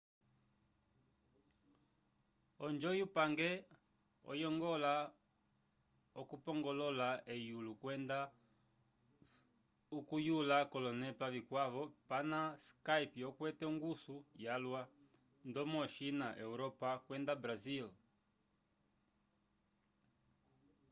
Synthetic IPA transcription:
ɔnd͡ʒɔjupaŋɡɛ | ɔ̰jɔŋɡɔla | ɔkupɔŋɡɔlɔlaɛjulukwɛnda | ukujulakɔlɔnɛpavikwaβɔpanaskaipiɔkwɛtɛuŋɡusujalwa | ndɔmɔʃinaʔɛuɾɔpakwɛndabɾazil

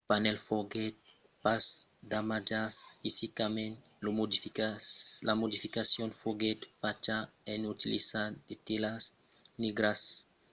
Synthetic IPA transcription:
panɛlfoɡet̪̚ | pasd̪amad͡ʒasfisikamẽnt̪lumdifialamod̪ifikasjõnfoɡet̪fat͡ʃaenut̪ilḭsad̪et̪elas | niɡɾas

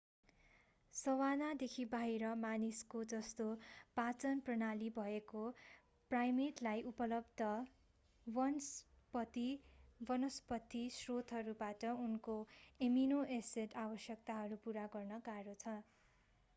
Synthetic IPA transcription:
sʌwanad̪ekʰibaɦiɾʌmaniskod͡zʌst̪opat͡sʌnprʌnalibʱʌeko | prajmeʈlajʔupʌlʌbd̪ʌ | wʌns | pʌt̪ibʌnʌspʌt̪ːisrot̪ɦʌɾubaʈʌunkoeminoʔeseʈabʌsjʌkt̪aɦʌɾupuɾaɡʌrnʌkaɾot͡sʰʌ

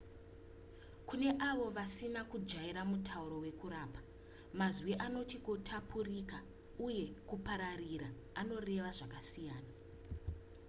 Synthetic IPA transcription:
kune̞ʔaʋo̞ʋasinakud͡ʒaiɾamutʰauɾo̞we̞kuɾaːpḁ | mazwiʔano̞tikutʰapʰurika | uje̞kupaɾariɾa | ano̞re̞ʋaʐakasijaːna

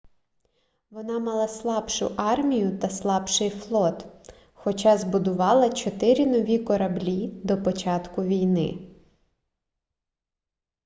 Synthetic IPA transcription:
ʋɔnɑmɑlˠɑslˠɑbʃʊ̰ʔɑrmʲijʊt̪ɐslˠɑbʃɪjflˠɔt̪ | xɔt͡ʃɑzbʊd̪ʊʋɑlˠɐt͡ʃɔt̪ɪɾʲinɔʋʲikɔɾɐblʲid̪ɔpɔt͡ʃɑt̪kʊʋʲijnɪ̰

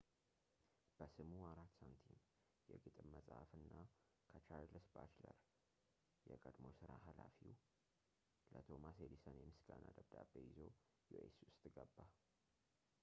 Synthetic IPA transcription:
b̥əsɨmuaɾat̪ːsant̪ʰin | jɛɡɨt̪ʼɨmːəsʼa̰fɨnːa | kʰət͡ʃaɾlɨsbat͡ʃləɾ | jɛkʼəd̪mosɨɾaɦalafi | lət̪ʰo̞mased̪isənjɛmɨsɡ̥anad̪əbd̪abːejɪzo̞ | juesuʊst̪ʼɡəbːa

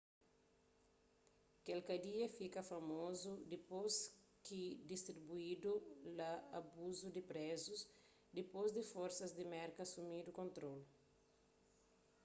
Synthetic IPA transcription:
kelkɐd̪iɐfikɐfɐmozud̪ipos | kid̪ist̪ɾibuid̪ulɐabuzud̪ɪpɾɛzus | d̪ipozd̪ifoɾsɐzd̪imɛɾkɐsumid̪ukõnt̪ɾol

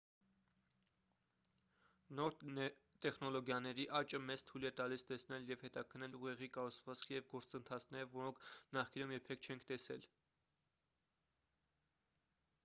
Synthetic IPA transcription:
nɔɾt̪ɛχnɔlɔɡjɑnɛɾiʔɑt͡ʃəmɛt͡st̪ʰujlɛt̪ɑlist̪ɛsn̪ɛljɛvhɛt̪ɑkʰənɛluʁɛʁikɑɾut͡sʰvɑt͡skʰjɛvɡɔɾt͡sənt̪ʰɑt͡sʰnɛɾəvɔɾɔŋkʰnɑχkinumjɛpʰɛkʰt͡ʃʰɛŋkʰt̪ɛsɛl

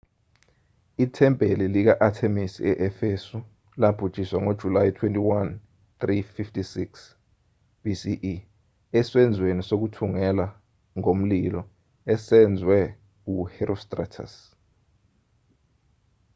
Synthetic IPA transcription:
itʰɛmbʱelilik̬aʔatʰemisiɛʔɛfesu | lab̥ʱud̥ʒ̥ʱʼiswaŋod̥ʒ̥ʱulajitʰwentʼiwan | t̪rififtʰisiks | b̥ʱisiʔ | ɛswɛnd͡zʱwenisok̬utʰuŋɛla | ŋom̩lilɔ | ɛsɛnd͡zʱwɛ | uhɛrostʼra̰tʰa̰s

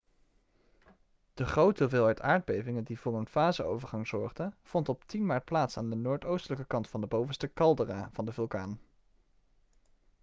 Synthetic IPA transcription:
d̥əχrowtovɪːlˠɦɛɥtaːɹd̚bejvɪŋəndivʊːrənfaːzəo̰wvəɹχɑŋz̥ɔɹχdəv̥ɔntɔptinmaːɹt̚plaːtsaːndənoːɹtowstələkəkɑntfɑndəbowvənstəkɑlˠdəraːvɑndəvɵlˠkaːn

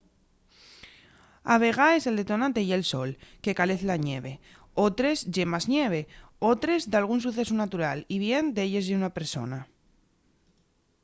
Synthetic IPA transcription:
aβ̞e̞ɣ̞ae̞seld̪et̪o̞nãnt̪e̞ie̞lso̞lke̞kale̞θlaɲeβe̞ | ot̪ɾe̞zʝe̞maznjeβ̞e̞ot̪ɾe̞zd̪alɣ̞uns̬uθe̞sunat̪uɾaliβje̞nd̪eʎe̞zðeunape̞ɾso̞̰na

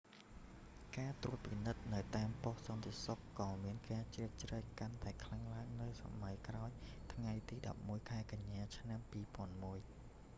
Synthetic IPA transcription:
kaːt̪uət̪̚pinɨt̪̚nɨwt̪aːmpohsɑnt̪esokːɑːmiənkaːt͡ɕriək̚t͡ɕrəːkant̪aɛkʰlaŋlaəŋnɨwsa̰majkraɔjt̪ʰŋajt̪iːɗɑ̰p̚muəjkʰaɛkaɲːaːt͡ɕʰnampiːpŏənmuəj

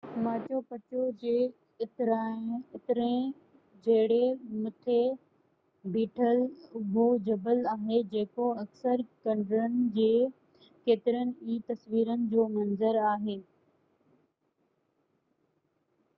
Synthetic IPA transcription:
maːt͡ɕopɐt͡ɕod͡ʑeː | ɪt̪ɾaɪt̪ɪɾẽ | d͡ʑɐɦɪɽemʊt̪ʰe | biːʈʰəlʊbʱod͡ʑɐbəlaːɦed͡ʑeːkoɐksəɾkɐ̃ɳɖɾənɪ̆d͡ʑeː | keːt̪ɪɾənɪ̆iːt̪ɐsʋiːɾənɪ̆d͡ʑoːmɐnzəɾaːɦeː

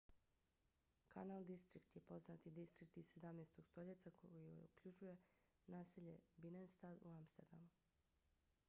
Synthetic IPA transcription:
kʰanalˠd̪ist̪ɾikt̪jepo̞znat̪id̪ist̪ɾik̚t̪izse̞d̪amnest̪o̞ɡst̪o̞ʎet̪sakoio̰jukʎud͡ʒuje̞ | naːseʎe̞binenst̪ad̪uamst̪eɾd̪a̰mu

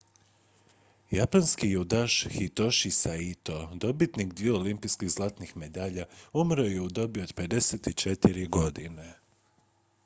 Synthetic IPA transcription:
japanskijuud̪aʃxit̪o̞ʃisait̪o̞d̪o̞bit̪niɡd̪ʋijeolimpiskiɣzlˠat̪nixme̞d̪aʎaumɾojeud̪o̞bio̞d̪pe̞d̪e̞set̪it͡ʃet̪iɾiɡo̞d̪ine

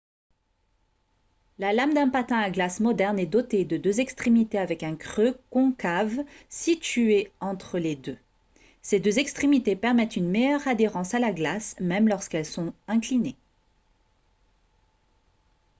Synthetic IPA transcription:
lalamd̪ɛ̃pat̪ɛ̃aɡlasmɔd̪ɛʁnɛd̪ɔt̪ed̪əd̪øzɛkst̪χemit̪eavɛkɛ̃kχøkɔ̃kavsit̪yeɑ̃t̪χəled̪ø | sed̪øzɛkst̪χemit̪epɛʁmɛt̪ynmejœʁad̪eʁɑ̃salaɡlasmɛmlɔʁskɛlsɔ̃ɛ̃kline

